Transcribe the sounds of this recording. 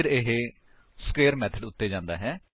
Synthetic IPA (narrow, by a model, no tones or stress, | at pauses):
ɾeɦe | sə̥keːəɾmɛːt̪ʰəɖʊt̪ːeːd͡ʒãːnd̪a̰ːɦɛː